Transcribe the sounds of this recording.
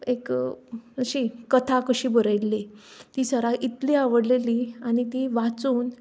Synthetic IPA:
ek | əɕikət̪ʰakəɕiːbəɾəjlːet̪iːsəɾaʔit̪liaʋəɽleliañit̪iːʋat͡suːn

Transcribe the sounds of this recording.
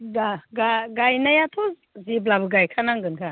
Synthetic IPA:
ɡaɡaɡajnajatʰɔz | ziblabɯɡajkʰanaŋɡɯnkʰa

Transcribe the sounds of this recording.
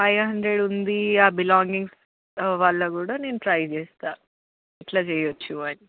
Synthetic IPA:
ɐjɐɦɐnd̪ɾeɽund̪iaːbilaːŋɡiŋs | ʋaːɭːɐkuːɽaːne̞ːnuʈɾɐjt͡ʃɛːst̪aː | ɛʈlaːt͡ʃɛːjɐt͡ʃːuɐni

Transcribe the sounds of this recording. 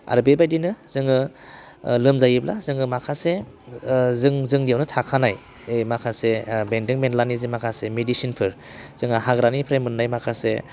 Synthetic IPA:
a̰ɾbebajdinɯzɯŋɯ | lɯmzajibla̰zɯŋɯmakʰase | zɯŋzɯŋdijawnɯtʰakʰanaj | jmakʰasebendɯŋbenlanizimakʰasemedisinpʰɯɾ | z̥ɯŋaɦaɡɾanipʰɾajmɯnːajmakʰase

